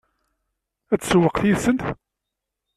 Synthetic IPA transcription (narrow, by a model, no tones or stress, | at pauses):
æt͡sːsəwəqθjiðsənt̪